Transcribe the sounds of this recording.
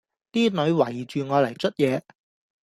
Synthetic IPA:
t̪iː˥nɵ˨˧˥ɥwɐ˨˩jt͡ʃyː˨ŋɔː˨˧lɐ˨˩jt͡ʃɵ˥t̚jɛː˨˧

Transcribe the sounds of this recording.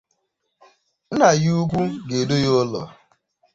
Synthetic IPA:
n̩˦na˨ju˦kʷu˦ɡe˨do˦jo˦lɔ̰˨

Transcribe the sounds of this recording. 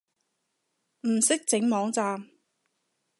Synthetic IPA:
m̩˨˩sɪ˥k̚t͡sɪ˨˥ŋmɔː˨˥ŋt͡saː˨m

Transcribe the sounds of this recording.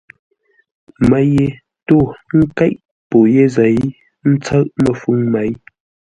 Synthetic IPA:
ma˨je˨ | to˦˨ŋ̩˦ka˦ʔ | po˨je˦za˨i˦ | n̩˦t͡sa˦ʔmə˨fu˦ŋma˨j

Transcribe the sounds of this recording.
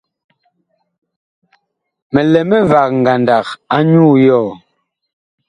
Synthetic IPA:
mɛ˨lɛ˨mɛ˦va˨k̚ŋ̩˨ɡa˨nda˨ka˦ɲuː˦jɔ˦˨

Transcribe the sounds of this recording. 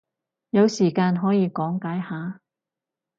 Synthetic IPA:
jɐ˨˧wsiː˨˩kaː˧nɦɔː˨˥jiː˨˧kɔː˨˥ŋkaː˨˥jhaː˨˧

